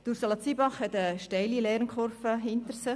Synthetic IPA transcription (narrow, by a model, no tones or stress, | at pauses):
tuɾsɑlɑt͡siːbɑχhɛt̪əʃtɛɪlilɛɾnkχɔrfəɦɪnt̪əɾsə